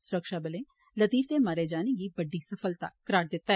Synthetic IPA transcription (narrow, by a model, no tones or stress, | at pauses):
sʊɾəkʃaːbəlẽː | lət̪iːft̪eːmaːɾeːd͡ʒaːnẽːɡiːbəɖiːsəpʰəlt̪a̰kəɾaːʈ̚d̪ɪt̪ːaɛ